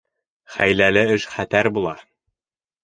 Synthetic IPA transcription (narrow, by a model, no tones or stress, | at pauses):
χæ̰jlælɘɘʃχæt̪æɾbulˠɑ